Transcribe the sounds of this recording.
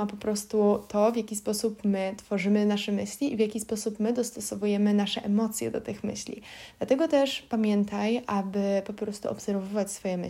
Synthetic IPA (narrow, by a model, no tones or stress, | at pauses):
apɔpɾɔst̪ut̪ɔvʲjakʲispɔsupmɘt̪fɔʐɘmɘnaʂɛmɘɕlʲiivʲjakʲispɔsupmɘd̪ɔst̪ɔsɔvujɛmɘnaʂɛʔɛmɔt̪sʲjɛ̰d̪ɔt̪ɘxmɘ̰ɕlʲḭd̪lat̪ɛɡɔt̪ɛʂpamʲjɛnt̪ajʔabɘpɔpɾɔst̪uɔ̰psɛɾvɔvat͡ɕsfɔjɛmɘ̰